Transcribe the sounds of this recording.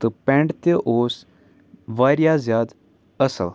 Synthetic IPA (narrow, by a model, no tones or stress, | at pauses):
t̪ɨpɛ̃ːɳɖt̪eʔoːs | ʋaːɾjaːzjaːd̪ | əsə̰l